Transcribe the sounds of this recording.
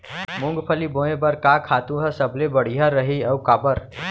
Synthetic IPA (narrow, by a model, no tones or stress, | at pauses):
mʊ̃ŋɡpʰəlibõːẽbəɾkakʰaːt̪ũɦəsəblebəɽ̤ijaɾəɦiɐukaːbəɾ